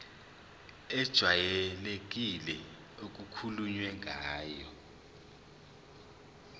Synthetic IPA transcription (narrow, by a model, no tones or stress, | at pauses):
ɛd̥ʒ̥ʱwajɛlek̬ʼilɛ | ok̬ʼukʰuluɲwɛŋʱaːjɔ